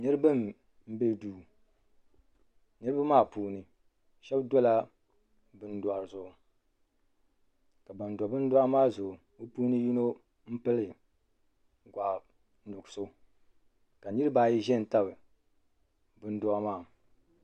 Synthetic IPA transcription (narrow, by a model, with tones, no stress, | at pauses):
nɨ˦ɾɨ˦bɨ˦m | m̩˦bɛ˦duː˦˨ | nɨ˦ɾɨ˦bɨ˦maː˦˨puː˦nɨ˨ | ʃɛ˦bdɔ˦la˦ | bɨ˦n˦dʊ˨a˨ɾzʊ˨ʔʊ˨ | ka˨ba˨n˨dbɨ˦n̩˦dɔ˦a˦maː˦zʊ˨ʊ˨ | o˦puː˦nɨ˦ju˦no˦ | m̩˦pɨ˦lɨ˨ | ɡʷa˨˦ | nʊ˨ɡso˦ | ka˨nɨ˦ɾɨ˦ba˨ji˦ʒɛ˦n˨ta˦bɨ˨ | bɨ˦n˦dɔ˦a˦maː˦˨